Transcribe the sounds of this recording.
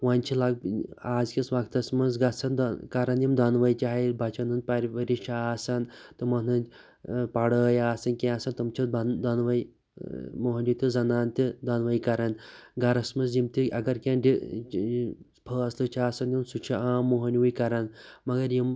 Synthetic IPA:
wanʲt͡ʃʰilaɡ̚aːzkʲisʋaɡt̪ɐsmɐnzɡɐsɐnd̪kɐɾɐnjimd̪ɐnʋɐjt͡ʃaɦibʱat͡ʃʰɐnɨnpɐɾʋɐɾiʃaːsant̪ɨmɐnɨn | paɽəːjaːsɐnkʲẽasɐnt̪ɐmt͡ʃʰiɐnd̪ɐnʋɐi | muɦɐnʲit̪ɨzɐnaːnt̪id̪anʋɐjkɐɾɐnɡɐɾɐsmɐnzjimt̪iɐɡɐɾkʲãnɖʲi | spʰəːɐslɨt͡ʃʰaːsɐnjimsut͡ʃʰiaːmːuɦɐnʲiwujkɐɾɐnmɐɡɐɾjim

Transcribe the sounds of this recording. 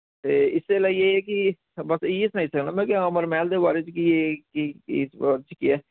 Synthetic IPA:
t̪eːɪsːelaːijeɦɛk̬i | bəsiɪsnəĩsəknaːmɛ̃keãːməɾmɛːld̪ebaːɾet͡ʃkiekisaːɾt͡ʃkiɛː

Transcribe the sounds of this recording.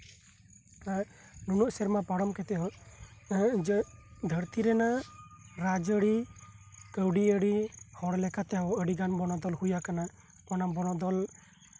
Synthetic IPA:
a | nunuʔsɛɾmapaɽɔmkɛt̪ɛɦɔ | d͡ʒd̪ʱəɾt̪iɾɛna | ɾad͡ʒəɽi | kəwɖiəɽihɔɽlɛkat̪ɛwəɽiɡanbɔnɔd̪ɔlhujakana | ɔnabɔnɔd̪ɔl

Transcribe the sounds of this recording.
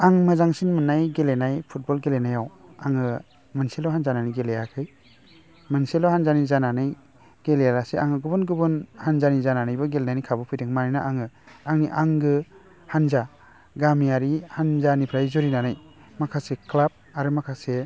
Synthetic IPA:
aŋmɯzaŋsinmɯnajɡelenajpʰut̚bɔlɡelenajawaŋɯ | mɯnselɔɦanzananiɡelejakʰɯj | mɯnselɔhanzanizananɯj | ɡ̥elejaɾasea̰ŋɯɡɯbɯnɡɯbɯnhanzanizananajbɯɡelenajnikʰabɔpʰɯjdɯŋmaninaʔaŋɯaŋniʔaŋɡɯ | hanza | ɡamijaɾihanzanipʰɾajzɔɾinanaj | makʰasekʰlab̚aɾɯmakʰase

